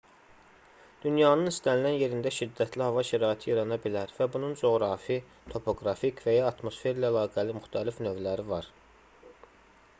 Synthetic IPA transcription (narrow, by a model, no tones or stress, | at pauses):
d̪̥ynjɑːnɯnist̪ænilænje̞ɾind̪æʃid̪ːæt̪ʰlihɑvɑʃæɾɑːit̪ʰiiɾɑnɑbilæɾvæbunund͡ʒo̞ɣɾɑfi | t̪ʰo̞pʰo̞ɡɾɑfikvæjɑːt̪mo̞sfe̞ɾlæːlɑːɡælimyxt̪ʰælifnø̞vlæɾivɑɾ